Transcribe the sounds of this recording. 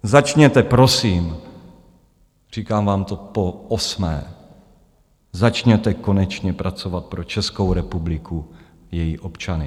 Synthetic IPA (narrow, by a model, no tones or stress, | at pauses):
zat͡ʃɲɛt̪ɛpɾo̞siːm | r̝̥iːkaːmvaːmt̪o̞poʔosmɛ̰ː | zat͡ʃɲɛt̪ɛko̞nɛt͡ʃɲɛpɾʔat͡sovat̪̚pɾo̞t͡ʃɛsko̞wɾɛpublɪkʰu | jɛjiʔopt͡ʃanɪ